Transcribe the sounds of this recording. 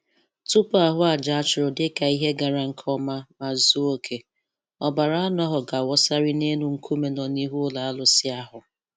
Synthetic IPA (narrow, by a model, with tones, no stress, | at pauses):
tu˦pʊ˦a˦ɦʊ˦a˨d͡ʒa˨a˦t͡ʃʊ˨ɾʊ˨dɪ˦ka˨i˦ɦe˦ɡa˨ɾa˨ŋ̩˨kʰɔ˦ma˦ma˨zu˦o˦kʰe˨ | ɔ˨ba˨ɾa˦a˦nʊ˦a˦ɦʊ˨ɡa˨wɔ˦sa˦ɾɪ˦ne˦nu˨ŋ̩˦kʰu˦me˨nɔ˨ni˦ɦu˦ʊ˦la˨a˦lʊ˨sɪ˦a˦ɦʊ˨